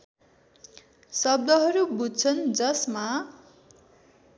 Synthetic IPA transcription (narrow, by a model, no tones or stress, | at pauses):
sʌb̚d̪ʌɦʌɾubud̪̚t͡sʰʌnd͡zʌsma